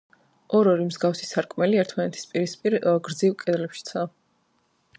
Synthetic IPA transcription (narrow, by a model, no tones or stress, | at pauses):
ɔɾɔɾimzɡafsisaɾkʼmɛliɛɾt̪ʰmanɛt̪ʰi̥spʼiɾispʼiɾɡɾd̪zivkʼɛd̪lɛpʃi̥t̪sʰa